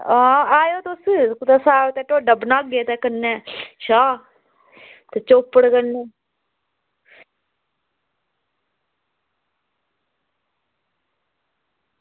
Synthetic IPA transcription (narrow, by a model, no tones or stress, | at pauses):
ãːaːjoːt̪ʊskt̪aːsaːot̪ɛːʈoːɖəbnaːɡeːt̪ɛkənːɛ̃ːʃaː | t̪et͡ʃoːpːəɽkəneː